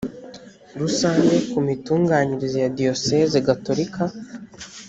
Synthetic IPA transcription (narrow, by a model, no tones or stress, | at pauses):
ɾusaːnɡe̞kumituːŋɡaːɲiɾizejadio̞sezeɡato̞ɾika